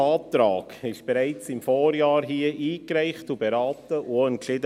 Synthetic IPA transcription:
ɑːt̪ɾɑːkɪʃb̥ɛɾæɪt͡sɪmfɔːɾjɑːɾɦiəʔiːkɾɛɪχtubɛɾɑːtəʔuɛnklɪdə

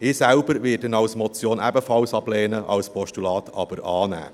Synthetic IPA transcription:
ɪːsælb̥əɾvɪːdɛnɑwsmɔt͡sjoːnɛbəfɑlsɑb̥lɛːnəʔɑ̰wspʰɔʃtulɑːt̪ʰɑb̥əɾɑːnæ̰ː

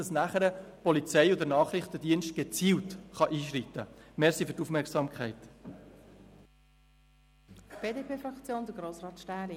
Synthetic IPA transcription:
ɑsnæχəɾəpɔlit͡sɛɪod̪ənɑːχɾɪχtədiənʃt̚ɡ̥et͡siːltχɑʔiːʃɾit̪ːəmɛɾsifʉɾtufmɛksɑmkʰχɛɪt | b̥eːdepʰeːfɾɑkt͡sjoːnd̪əɡɾoːsrɑːtʃtæːɾi

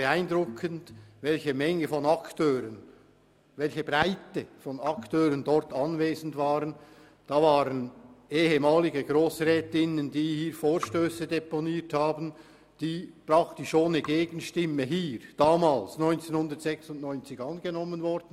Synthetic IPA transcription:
bəaɪndʁʊkʰəntvɛlçəmɛŋəfɔnɑktʰøːʁən | vɛlçəbʁaɪtəfɔnɑktʰøːɾəndɔɾtɑnveːzən̩tvaːʁən | d̥aːvaːʁənʔeːɦəmaːlɪɡəɡʁoːsʁɛːtɪnəndiːhiːɾfoːɾʃtøːsədeponiːthaːbən̩ | d̥iːprɑktɪʃoːnəɡeːɡ̥ən̩ʃtɪmːəɦiːɾd̥aːmaːlsnɔʏnt͡seːnhʊndətz̥ɛksʊntnɔʏnt͡sɪɡɑnɡ̥ənɔmːənvɔɾd̥n̩

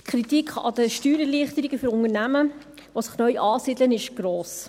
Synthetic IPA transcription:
kχɾitikʰχɑ̰dəʃtyːɾɛɾliəχt̪əɾiɡəfʏɾʊnəɾnæmə | ʋosɪ̥χnœʏʔɑːsid̪lənɪʃɡ̥ɾoːs

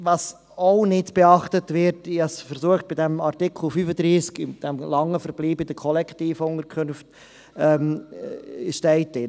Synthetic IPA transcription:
vɑs | oʊnɪdb̥ɛɑχtətvɪɾtɪɑsfəɾsuəχt̚bɪdɛmɑɾtɪkʰl̩fyfədɾiːskɪd̥ɛmlɑŋːəfəɾb̥liːbɪd̥̪əkʰɔlɛktiːfʊnəkʰʏnft | ɛm | ʃtɛɪtːɪ

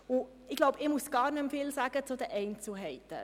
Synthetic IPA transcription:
ʊ | ɪɡlɔʊbɪmusɡ̥ɑːɾnʏmfɪlsæːɡ̥ət͡sud̪əʔɛɪnt͡sl̩ɦɛɪt̪ə̰

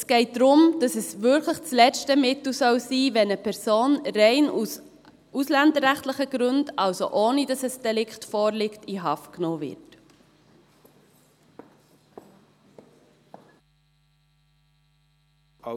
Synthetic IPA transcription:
sɡ̥ɛɪt̚d̥ɾʊmd̥ɑsɛsʋʏɾkləχt͡slɛt͡ʃtəmɪtl̩sœwsiːvɛnəpʰɛɾsoːnrɛɪnus | ʔuslændəɾːæχtləχəɡ̥ɾɵndɑwso̰ʔoːnidɑsɛsd̥ɛlɪkχtfoːɾlɪktiɦɑftknoːvɪ̰ɾt

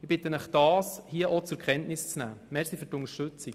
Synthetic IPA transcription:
ɪb̥ɪt̪ənɛχd̥ɑːshiəʔɔt͡sʊɾkʰʁɛntnɪst͡snæ̰ːmɛɾslifytʊŋəʃtʏt͡sik

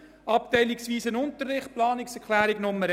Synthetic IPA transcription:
ɑp̚tɛɪliksʋiːsənʊnt̪ərːɪχtplɑːnɪksɛɾkʰlæːɾɪɡ̥nʊmːəɾ

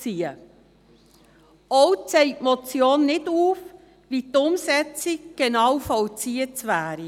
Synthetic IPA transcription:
t͡siə | ɔwt͡sɛɪtmɔt͡sjoːnːɪduːf | ʋiːt̪ʊmsɛt͡sikɡ̥enɑwfɔwt͡siətʋæːɾi

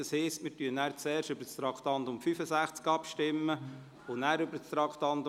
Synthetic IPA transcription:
ɑshɛːstmɪːtyənːæːɾt͡sɛːrʃtøbəɾt͡st̪ɾɑkʰtɑnd̪ʊmfyfəsæχt͡skɑpʃtɪmːə | onæːɾʏbəɾst̪ɾɑkχt̪ɑnd̪

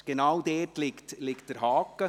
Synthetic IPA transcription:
ɡ̥enawdɛːtlɪkt̪lɪkt̚d̥əɾɦɑːkə

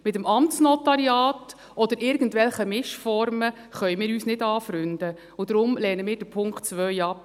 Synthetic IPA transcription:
mɪtəmɑmt͡snɔtɑɾiɑːt | ʔɔd̪əɾɪɾɡən̩tʋɛlχəmɪʃfɔɾmə | χœʏmɪːɾyːsnɪdɑːfɾʏnd̥̪ə | ʊd̥̪ɾʊmlɛːnəmɪːɾd̥əpʰʊŋkχtt͡sʋœʏɑpː

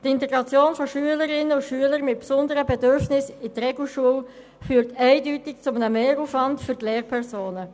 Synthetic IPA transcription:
tɪntɛɡɾɑt͡sjoːnfɔʃyələɾɪnːəʊʃyələɾmɪt̚psʊndəɾəbɛdøɾfnɪsitɾɛɡl̩ʃuəl | fyːɾtɛɪdyːtɪk̚t͡sʊmənəmeːɾufʋɑntfʏɾtleːʁpʰɛʁsoːnə

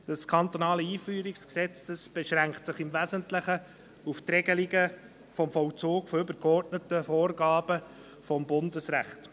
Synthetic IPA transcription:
d̥ɑskʰɑnt̪ɔnɑːləiːfyːɾiksksɛt͡səsb̥ɛʃɾæŋktsɪχɪmvæzəntlɪχə | uft̪rɛɡəliɡə | fɔmfɔwt͡soːkfɔʏbəɾkɔrtnətəfoːrɡɑːb̥ə | fɔmbʊndəsræ̰χt

